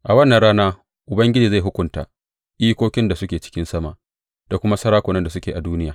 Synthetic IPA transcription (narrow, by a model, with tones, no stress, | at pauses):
ʔa˨wɐ˦nːɐ˨nɽaː˦naː˦ | ʔʊ˨bɐ˦ŋɡʲɪ˦d͡ʒiː˨za˦˨ɦʊ˦kʷʊ˨nta̰ː˨ | ʔiː˦kʷoː˦kʲɪ˦nda˨sʊ˦kʲeː˨t͡ʃɪ̥˦kʲɪ˦nsɐ˦ma̰˨ʔ | d̥a˨kʷʊ˦ma˦sɐ˦ɾaː˦kʷoː˨nɐ˦nda˨s̬ʊ˦kʲeː˨ʔa˨duː˦nɪ˦jaː˨